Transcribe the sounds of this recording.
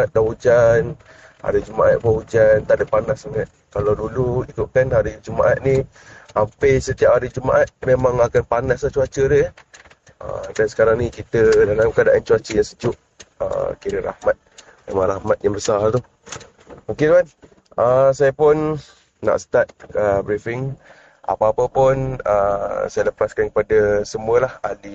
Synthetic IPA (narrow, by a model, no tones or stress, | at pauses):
at̪̚daʔud͡ʒan | a̰ɾəd͡ʒumaʔat̪̚bahud͡ʒant̪aʔdəpanasaŋat̪̚kalawduluikʊʔ̚kanaɾid͡ʒuma̰ʔa̰t̪̚ni | ampəsət̪iap̚aɾid͡ʒumaʔat̪̚memãŋakanpanasat͡ʃuat͡ʃədə | ə̰dansə̥kaɾaŋnikit̪ədalamkadaʔant͡ʃuat͡ʃəjaŋsəd͡ʒʊʔ | ə̰kiɾəɾa̰hmat̪̚ | mḛmãŋɾahmat̪̚jaŋbəsart̪u | oked̪uan | ʔəsajapʊnː | a̰ʔsə̥t̪at̪̚əbɾifɪŋ | a̰paapəpʊnə̰sajələpaskankəpadasəmũəlahali